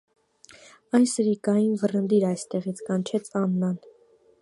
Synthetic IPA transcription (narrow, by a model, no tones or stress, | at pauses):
ɑj̪səɾikɑjinvərənd̪iɾɑjst̪ɛʁit͡sʰkɑnt͡ʃʰɛt͡sʰɑnːɑn